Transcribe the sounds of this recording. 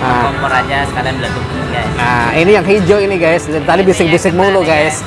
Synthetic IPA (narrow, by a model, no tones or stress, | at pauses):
aɔpəɾaɲasəkalanbəlat̪uk̚nuɡajsainijaŋɦid͡ʒoiniɡajst̪t̪alibisɪk̚bisɪk̚moloɡajs